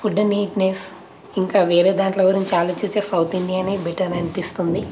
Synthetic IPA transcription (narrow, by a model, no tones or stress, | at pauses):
fuɖːniːʈnes | iŋkaːʋeːɾeːd̪aːɳʈloːɡuɾiɲt͡ʃiaːloːt͡ʃit͡ʃeːsɐwt̪ind̪ijaːneːbiʈɐɾɐnipist̪und̪i